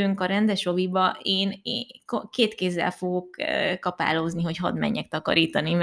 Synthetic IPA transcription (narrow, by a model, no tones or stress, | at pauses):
øŋkɒɾɛnd̪ɛʃo̞vibɒeːneːkokeːt̪keːzːɛ̰lfo̞ɡo̞kːkɒpa̰ːlo̞zniɦo̞cɦɒ̰d̪mɛ̰ɲːɛk̚t̪ɒkɒ̰ɾiːt̪ɒni